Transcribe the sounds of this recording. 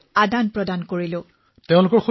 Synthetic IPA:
adanpɹɔdankoɹilʊ̃ | teʊ̃lʊkɔɹxu

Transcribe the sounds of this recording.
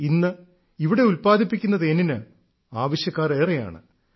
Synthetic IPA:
inːɨ | iʋiɽe̞ulpaːd̪ʱipːikʲːunːɐðeninɨ | aːʋɐɕjɐkːaːre̞ːreja̰ːɳɨ̰

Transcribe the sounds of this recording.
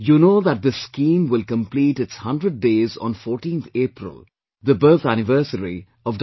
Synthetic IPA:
juːnoːd̪æʈ̚d̪əskĩːmwɪlkə̃mpliːʈɪtshʌ̃nɖɾəɖ̚ːeːzɔ̰̃ːnfɔːɾʈĩːnt̪ʰeːpɾɪ̰l | d̪əbəːt̪ʰænɪʋəɾsəɾḭ | ɔʋɖ

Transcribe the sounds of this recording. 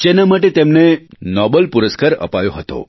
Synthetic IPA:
d͡ʒenamaʈ̬et̪emnenɔbəlpuɾəskaɾə̰pajoɦət̪o̰

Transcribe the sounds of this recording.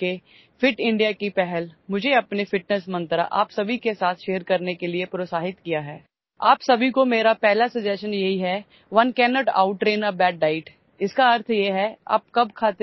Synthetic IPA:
ke | fɪʈɪ̃ɳɖijakipɛɦɛlmʊd͡ʒʱeɐpnefɪʈnəsmɐ̃nt̪ɾa̰ʔa̰ːpsɐbʱikesaːt̪ʰʃeːəɾkɐɾnekeliepɾoːsaːɦɪt̪kijaɦɛː | aːpsɐbʱikomeːɾapɛɦlasɐd͡ʒɛʃənjɐɦiɦɛ | ʋɐnkɛːnɔːʈa̰ːʊʈːɾeːnabɛːʈɖaːɪʈ | ɪskaɐɾt̪ʰjeɦɛa̰ːp̚kɐb̚kʰaːt̪e

